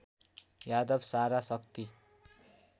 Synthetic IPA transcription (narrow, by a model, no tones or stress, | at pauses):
jad̪ʌbsaɾasʌkt̪i